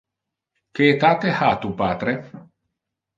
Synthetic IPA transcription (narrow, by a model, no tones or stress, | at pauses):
keːt̪aːt̪ehat̪upaːt̪ɾe